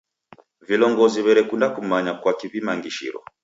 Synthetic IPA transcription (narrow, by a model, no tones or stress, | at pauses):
vilɔŋɡɔziβɛɾɛkundakumaɲakwakiβimaŋɡiʃḭɾɔ̰